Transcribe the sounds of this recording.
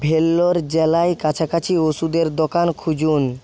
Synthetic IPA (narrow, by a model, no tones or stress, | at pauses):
bʱelːoɾd͡ʑɛlajkat͡ɕʰakat͡ɕʰioʃud̪eɾd̪okankʰud͡ʑun